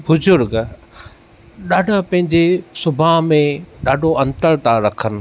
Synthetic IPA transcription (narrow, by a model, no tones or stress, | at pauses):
bʊzʊɾɡ | ɗaːɖʱãpɐ̃ɦɪ̃ɲd͡ʑesʊbʱaɦmẽɗaːɖʱoɐ̃nt̪əɾt̪aɾɐkʰənɪ̆